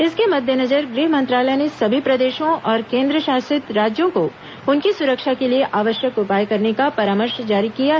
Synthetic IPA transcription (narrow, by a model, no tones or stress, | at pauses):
ɪskemɐd̪ʱjənɐd͡ʒəɾɡɾiːɦmɐ̃nt̪ɾaːlənesɐbʱipɾɐd̪eːʃõɔːɾkẽːnd̪ɾəʃaːsɪt̪ɾaːd͡ʒjõko | ʊnkisʊɾəkʃakelieʔaːʋəʃjəkʊpaːjkɐɾnekapɐɾaːməɾʃd͡ʒaːɾikija